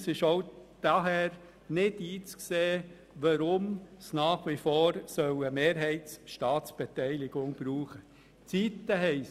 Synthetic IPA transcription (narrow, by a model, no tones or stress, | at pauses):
sɪʃoʊd̪̥ɑɦɛːɾ | nɪdiːt͡skseː | ʋɑɾʊmsnɑːχʋifoːɾsœwəmeːɾɦɛɪtsʃtɑːtsb̥et̪ɛɪlɪɡ̥ʊŋb̥ɾuːχə | t͡siːt̪ːəɦɛɪs